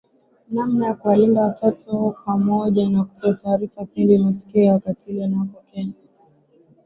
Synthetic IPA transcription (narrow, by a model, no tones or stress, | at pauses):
namnajakuwalindawatʰatupamɔʄanaku̥tɔataːɾifapindimatɔ̥kiawakatiilɛnawapɔkɛna